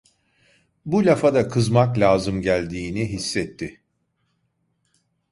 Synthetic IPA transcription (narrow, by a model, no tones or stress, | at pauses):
bulʲafad̪akʰɯzmaklʲaːzɯmɟælʲd̪iːniɦisːɛt̪ʰːɪ